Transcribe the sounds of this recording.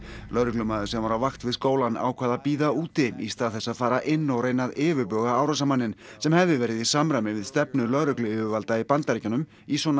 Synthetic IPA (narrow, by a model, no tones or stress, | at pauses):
lœɾʏklʏmaːðʏsɛmvaɾavaxt̪vɪðskoːwlana̰ːwkʰvaːðapiːðauːt̪ɪḭst̪aːðθɛsːaðfaːɾaʔɪnːɔwrejnaðɪːvʏpœːɣaaːwɾasamanːɪnsɛmhɛvðɪvɛːɾɪðisamɾamɪvɪðst̪ɛpnʏlœðɾʏklɪɪvʏvalt̪aipant̪aɾcanʏm | isɔna